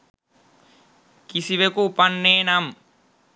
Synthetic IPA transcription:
kisiʋekopɐnːeːnam

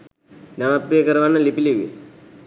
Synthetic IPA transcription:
namapɾijəkəɾʋanːəlipiliʋḭ

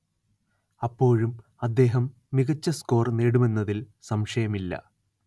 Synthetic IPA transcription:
ɐpːo̞ːɻum | ɐd̪ːe̞ːɦɐmː | iɣɐt͡ɕːɐsko̞ːrneːɽume̞nːɐðil | sɐmʂɐjɐmilːɐ̰

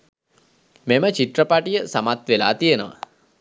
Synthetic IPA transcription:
memət͡ʃit̪rəpaʈijəsamat̪ʋela̰ːt̪ijenəʋa̰

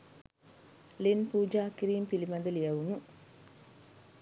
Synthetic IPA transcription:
linpuːd͡ʒaːkiɾiːmpilimɐnd̪əlijɐʋunu

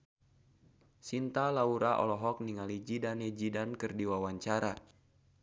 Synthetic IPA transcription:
sint̪alauɾaʔɔ̰lɔɦɔk̚niŋalid͡ʒidanɛd͡ʒidankɨrdiwawaɲt͡ʃaɾa

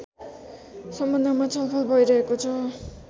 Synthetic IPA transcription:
sʌmbʌnd̪ʌmat͡sʰʌlpʰʌlbʱʌjɾʌɦekot͡sʰʌ

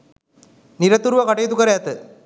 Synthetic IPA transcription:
nɪɾɐt̪ːuɾʋɐkɐʈɐjɐt̪ukːɐɾɐjaːt̪ːɯ

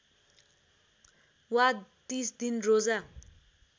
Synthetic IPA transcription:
wat̪isd̪inroza

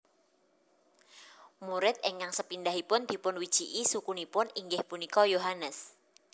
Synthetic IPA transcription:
muɾɪt̪̚eŋaŋsəpindaɦipʊnd̪̥i̤pʊnwid̥ʒ̥iʔisukunipʊniŋɡɪhpunikɔjoɦanəs

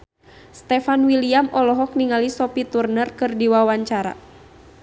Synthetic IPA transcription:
st̪ɛfanwiliamɔlɔɦɔk̚niŋalisɔpit̪urnərkɨrdiwawaɲt͡ʃaɾa̰

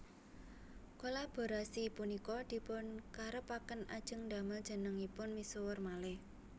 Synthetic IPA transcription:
kolab̥o̤ɾasiːpʊnikɔd̪̥i̤pʊnkaɾəpakənad̥ʒ̥əŋd̪a̤məl̥ʒ̥ə̤nəŋipʊnmisowərmalɪh

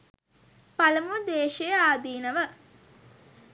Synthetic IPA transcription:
paləmud̪eːʃejəaːd̪iːnəʋə

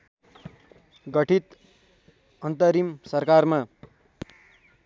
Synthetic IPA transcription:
ɡʌʈʰit̪ | ʌnt̪ʌɾimsʌrkarma

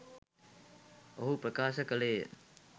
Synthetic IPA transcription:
əɦupɾəkasəkəle

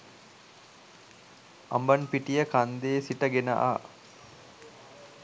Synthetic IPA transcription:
ʔɐmbɐnpiʈijəkand̪eːsiʈɐɡenɐ̰ʔa̰ː

